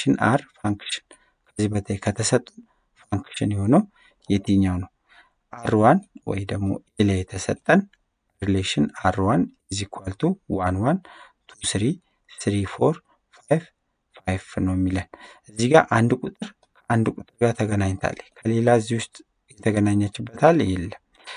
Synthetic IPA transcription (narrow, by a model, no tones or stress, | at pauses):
ʃɪnaɾfaŋkʃɪ̥n | kʰəzːibət̪ʰəkʰət̪ʰəsət̪ʼːun | faŋkʃɪnjɛho̞nəw | jɛt̪ʰiɲːawnəw | ʔaɾwanwɔ̰jd̪əɡmo̞̰elejɛt̪ʰəsət̪ʼːən | ɾleʃɪnaɾwanɛzːikʰalt̪ʰuwanwant̪ʰusɨɾi | sɨɾifo̞ɾ | fajf | fajfnəwɛmːilənʔɨzːiɡaʔand̪kʼut̪ʼɨɾ | kʰəʔand̪kʼut̪ʼɨɾɡat̪ʰəɡənaɲːt̪ʰa̰lːəkʰəle̞laɨzːihwʊst̪ʼ | jɛt̪ʰəɡənaɲːat͡ʃːɪbːət̪ʰal̰jɛlːəm